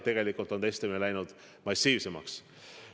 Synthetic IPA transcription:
t̪e̞ɡ̥e̞likːˑult̪ːo̞nt̪est̪eminelæjnud̪̥ | mɑsʲiːvse̞mɑ̰ks

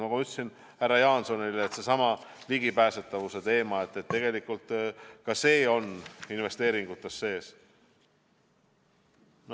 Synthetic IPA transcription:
nɑkuyt̪ːˑsin | hærːɑjɑːnso̞nileeːt̪se̞sɑmɑliɡ̥ipæːse̞t̪ːˑɑvuse̞t̪e̞ːmɑe̞t̪ːˑe̞t̪ːe̞ɡ̥e̞likːult̪kɑse̞ːo̞ninve̞st̪e̞ːɾiŋɡ̥ut̪ːˑe̞sːe̞ːs | n

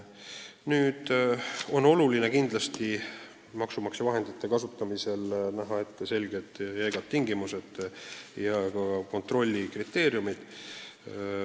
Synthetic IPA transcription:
nyːd̪̥o̞nːo̞lulinekind̪̥lɑst̪i | mɑksumɑksevɑɦe̞nd̪̥it̪ːe̞kɑsut̪ːɑmise̞lnæɦɑe̞t̪ːese̞lʲɡe̞d̪̥jæjɡ̥ɑt̪̚t̪ːiŋɡimused̪̥jɑkɑko̞nt̪ro̞lʲːikrit̪ːˑe̞ːɾjumid̪̥

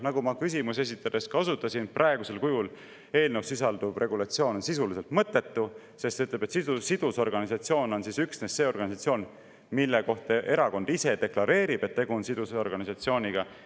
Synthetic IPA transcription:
nɑɡumɑkys̬imuse̞s̬it̪ːˑɑd̪̥e̞skɑo̞s̬ut̪ːˑɑsinprʔɑe̞ɡ̥use̞lkujul | e̞ːlnewsːisɑld̪̥ub̥rʔe̞ɡulɑt̪sio̞ːnonsisulise̞lt̪mɤt̪ːˑe̞t̪ːu | se̞st̪seyt̪lebe̞t̪siusid̪̥uso̞rɡ̥ɑnisɑt̪sio̞ːno̞nsisyksnesːe̞ːo̞rɡ̥ɑnisɑt̪sio̞ːn | milːeko̞ht̪ɑʔe̞ɾɑko̞nd̪̥ise̞d̪̥e̞klɑɾe̞ːɾib̥et̪ːe̞ɡuonsid̪̥uso̞rɡ̥ɑnisɑt̪sio̞ːnʲiɡ̥ɑ

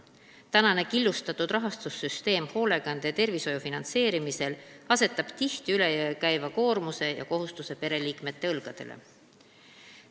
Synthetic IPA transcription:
t̪ænɑne̞kilːust̪ɑt̪ːud̪̥rɑɦɑst̪usːyst̪e̞ːmho̞le̞ɡ̥ɑnd̪̥et̪e̞rviso̞jufinɑnt̪se̞ːɾimise̞lɑse̞t̪ːˑɑb̥t̪iht̪iyle̞jøkæjvɑko̞ːɾmuse̞jɑ̰ko̞ɦust̪use̞pe̞ɾe̞liːkme̞t̪ːe̞ɤlɡ̥ɑd̪̥e̞̰lʔḛ

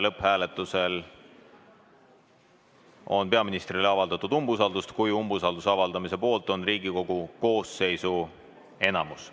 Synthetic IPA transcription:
lɤphæːle̞t̪ːˑuse̞l | o̞̰npe̞ɑminist̪rileɑvɑld̪ɑt̪ːˑud̪umbus̬ɑld̪ust̪kujumbusɑld̪usɑvɑld̪ɑmise̞po̞ːlt̪ˑo̞nriːɡiko̞ɡ̥uko̞ːsːe̞jsu | e̞nɑmus

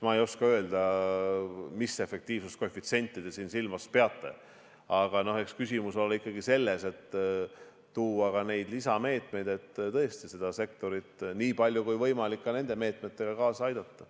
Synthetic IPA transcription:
mɑejo̞skɑø̞eld̪̥ɑ | mise̞fe̞k̚t̪iːvsust̪̚koefit̪se̞nʲt̪ʲːˑid̪esiːnsilmɑspe̞ɑt̪ːˑe̞̰ | ɑɡ̥ɑno̞he̞kskysʲimuso̞lːikːɑɡise̞lːe̞se̞t̪ː | uːɑɡɑne̞jd̪lisɑme̞ːt̪ˑme̞jd̪̥e̞t̪ːt̪ɤ̞est̪ise̞d̪̥ɑse̞k̚t̪o̞ɾit̪niːpɑlʲjukujvɤjmɑlikːɑne̞nd̪̥e̞me̞ːt̪met̪ːe̞ɡ̥ɑkɑːsɑɑjd̪̥ɑt̪ːɑ

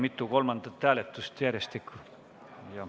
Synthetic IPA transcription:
mit̪ːˑuko̞lmɑnd̪̥ɑt̪ːæːlet̪ːˑust̪jærjest̪ikːˑu | jɑ

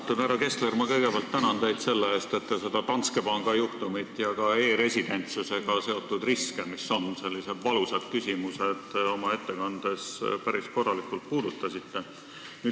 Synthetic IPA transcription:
t̪ːˑunæɾɑke̞st̪le̞rmɑkɤ̞jɡ̥ebɑlt̪ːænɑnd̪e̞jd̪̥se̞lːeeːst̪e̞t̪ːe̞se̞d̪̥ɑt̪ɑnt̪ske̞pɑŋɡ̥ɑjuht̪umit̪ːˑjɑkɑe̞ːɾe̞sʲid̪̥e̞nʲt̪suse̞ɡ̥ɑse̞o̞t̪ːˑud̪riskemiso̞nse̞lʲːise̞d̪̥vɑlusɑd̪̥kysʲimuse̞d̪̥o̞mɑe̞t̪ːe̞kɑnd̪̥e̞spæɾisko̞rːɑlikːˑult̪̚puːd̪ut̪ːˑɑsit̪ːe̞ | nyː

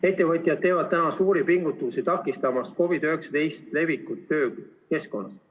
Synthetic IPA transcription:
e̞t̪ːe̞vɤt̪ʲˑjɑd̪̚t̪e̞ːvɑd̪̚t̪ænɑsuːɾipiŋɡ̥ut̪ːˑusit̪ɑkːˑist̪ɑmɑsko̞vid̪øheksɑd̪e̞jst̪le̞vikːˑut̪ːø̞ː | ke̞sko̞nːɑ̰s

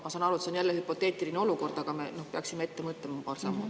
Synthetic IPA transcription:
mɑsɑːnɑɾueseonjælːehypo̞t̪ːˑe̞ːt̪ʲilineo̞luko̞rd̪̥ɑɡ̥ɑme̞̰no̞hpeɑksimːee̞t̪ːe̞mɤt̪lemɑpɑːrsɑmːu

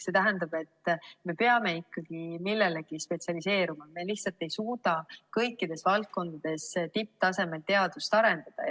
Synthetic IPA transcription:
se̞t̪æɦænd̪ɑb̥e̞t̪ːˑme̞peɑme̞ikːɑɡ̥imilːe̞le̞ɡ̥ispe̞tsiɑlise̞ːɾumɑme̞liht̪sɑlt̪ːˑe̞jsuːd̪ɑkɤjkːˑid̪̥e̞svɑlt̪̚ko̞nd̪̥ɑd̪̥e̞st̪ip̚ːt̪ɑse̞me̞lt̪e̞ɑd̪̥ust̪ɑɾe̞nd̪̥ɑd̪̥ɑ̰

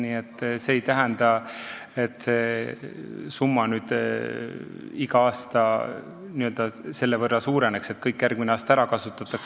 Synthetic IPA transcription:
niːet̪ːˑseːjt̪æɦænd̪ɑet̪ːse | sumːɑnyːd̪̥ | iɡɑɑːst̪ɑ | niø̞ld̪ɑse̞lːe̞vɤrːɑsuːɾe̞ne̞kse̞t̪kɤjkːjærɡmineɑːst̪æɾɑkɑsut̪ːˑɑt̪ːˑɑks

